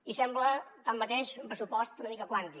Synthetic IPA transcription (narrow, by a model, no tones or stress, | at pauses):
isɛmblət̪amːət̪eʃumpɾəsupɔst̪unəmikəkwant̪i